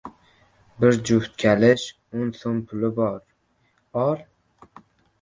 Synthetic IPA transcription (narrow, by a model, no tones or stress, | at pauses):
bɪɾd͡ʒʊht̪̚kʲʰalɪʃ | onsonpʰʊlɪbɒɾ | ɒɾ